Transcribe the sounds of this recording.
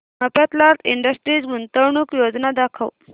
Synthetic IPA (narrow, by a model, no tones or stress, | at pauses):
məpət̪lat̪iɳɖəsʈɾid͡zmunt̪əwɳukjod͡znad̪akʰə̰w